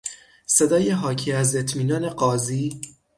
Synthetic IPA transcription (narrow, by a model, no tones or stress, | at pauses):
se̞d̪ɒːjeɦɒːcʰiːæze̞t̪ʰmiːnɒːne̞ɢɒːziː